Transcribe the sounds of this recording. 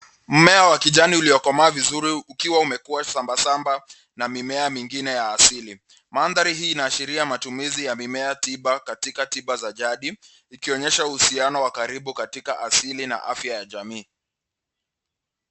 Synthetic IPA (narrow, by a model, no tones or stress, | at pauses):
m̩mɛawakiʄaniuliɔkɔmaːvizuɾiukiwaumɛkuasambasamba | namimɛamiŋɡinɛjaːsili | manðaɾiɦiːnaːʃiɾiamatumizijamimɛatiɓakatikatiɓazaʄaɗi | ikiɔɲɛʃauhusianɔwakaɾiɓukatikaʔasilina̰ʔafjajaʄamiː